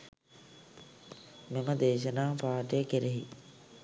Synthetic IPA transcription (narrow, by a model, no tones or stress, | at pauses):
meməd̪eːʃ̬ənaːpaːʈijəkeɾeɦḭ